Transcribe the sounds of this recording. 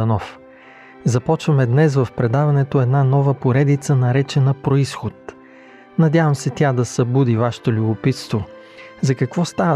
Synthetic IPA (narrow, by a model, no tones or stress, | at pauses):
ɐnɔf | zɐpɔt͡ʃvɐmɛd̪nɛsvɐfpɾɛd̪avɐnɛt̪oɛd̪nanɔvəpoɾɛd̪it̪sənɐɾɛt͡ʃɛnɐpɾoisxot̪ | nɐd̪ʲavɐmsɛt̪ʲad̪ɐsɐbud̪ivaʃɛ̥t̪olʲubʊpit̪st̪vo | zɐkɐkvɔst̪avə